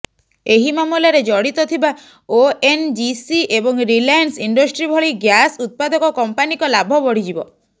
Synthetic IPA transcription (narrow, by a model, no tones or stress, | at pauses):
eɦimamulaɾed͡ʒɔɽit̪ɔt̪ʰiba | oend͡ʒisiebɔŋɾilajansiɳɖɔsʈɾibʱɔɭiɡjasut̪̚pad̪ɔkɔkɔmpanikɔlabʱɔbɔɽ̤id͡ʒibɔ̰